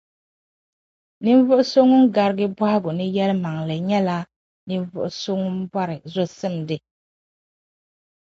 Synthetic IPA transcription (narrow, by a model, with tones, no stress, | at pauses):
nɨ˦ɱ˦vʊ˦ʔʊ˦so˦ŋːʊ˦nɡa˨ɾɪ˦ɡɨ˦bɔ˦hɪ˦ɡʊ˨nɨ˦jɛ˦lma˨ŋlɨ˨ɲɛ˦la˦ | nɨ˦m˦vʊ˦ʔʊ˦˨so˦ŋːʊ˦n˦bɔ˦ɾɪ˨zo˦sɨ˦˨m˨dɨ˦